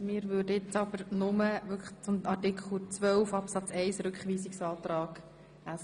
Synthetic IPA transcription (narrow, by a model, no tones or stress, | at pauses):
mɪːɾʋʉːdəjɪt͡sɑb̥əɾnʊməvʏɾkʰə̥χt͡sʊmɑɾtɪkʰl̩ˠt͡sʋœlfɑpsɑt͡sɛɪsɾʉkχʋiːsɪksɑːt̪ɾɑːɡ̥ | æs